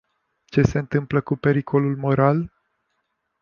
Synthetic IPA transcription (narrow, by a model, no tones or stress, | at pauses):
t͡ʃe̞se̞ɨnt̪ɨmpləkupe̞ɾikʰo̞lulmo̞ɾal